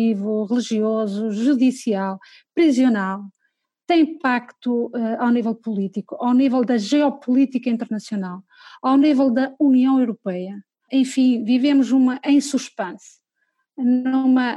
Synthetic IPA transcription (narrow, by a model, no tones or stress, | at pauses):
ivuʁɨlˠiʒiɔzuʒuðisialˠ | pɾiziunalˠ | t̪ẽj̃pakt̪uɛawnivɛlˠpulˠit̪ikuʔawnivɛlˠd̪ɐʒɛɔpulˠit̪ikɐĩnt̪ɨɾnɐsjunalˠ | awnivɛlˠd̪ɐuniɐ̃w̃ewɾupɛjɐ | ẽfĩvivemuzumɐʔẽj̃suʃpẽs | nmɐ